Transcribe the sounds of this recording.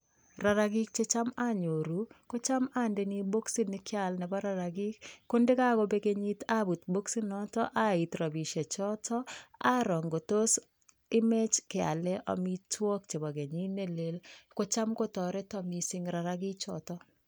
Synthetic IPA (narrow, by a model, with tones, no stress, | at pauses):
ra˨ɾa˦ɡi˦k̚t͡ʃe˦t͡ʃa˦ma˦ɲo˨ɾu˦ko˦t͡ʃa˦ma˦nde˨ni˦bo˦ksi˦nɪ˦kɪ˦a˨lnɛ˨bɔ˦ɾa˨ɾa˨ɡi˦kːo˦ndɪ˦ka˦ɡo˦be˦ɡe˦ɲi˦ta˦bu˨t̪bo˦ksi˦nɔ˦tɔ˦ʔa˦i˨t̪ɾa˨bi˨ʃe˨t͡ʃɔ˦tʰɔ˦a˦ɾɔ˨ŋɡo˨to˦s | ɪ˦me˦t͡ʃkɪ˨a̰˨lɛ˦ʔɔ̰˨mi˦twɔ˦kt͡ʃe˨bɔ˨ɡe˨ɲi˦ne˦le˨lko˦t͡ʃa˦mko˦tɔ˨ɾɛ˦tɔ˦mi˨sɪ˦ŋɾa˨ɾaɡɪ˦k̚t͡ʃɔ̰tɔ˦